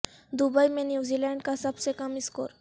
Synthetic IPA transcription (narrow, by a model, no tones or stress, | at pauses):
d̪ubajmenjuzilãɳɖkasapsekəmisko̰ɾ